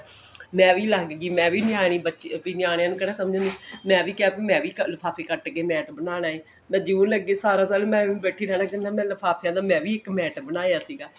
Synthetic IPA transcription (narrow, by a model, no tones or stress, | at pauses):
mɛ̃ːʋiːləɡɡiːmɛ̃ːʋiːnɪaːɽ̃iːbətːʃpiːnɪjaːɽ̃ejãːnũːkəɽɛːsəmd͡ʒãːd̪iːmɛ̃ːʋiːkɪaːpiːmɛ̃ːʋiːkələpʰaːpʰeːkəʈɡeːmɛːʈbənaːɽaːiː | mɛ̃ːd͡ʒɪʋə̃ːləɡːeːsaːɾãːsaːlːmɛ̃ːbɛːʈʰiːɾɛːnaːkənːãːmɛ̃ːləpʰaːpʰjãːd̪aːmɛ̃ːʋiːɪkmɛːʈbənaːjaːsiːɡaː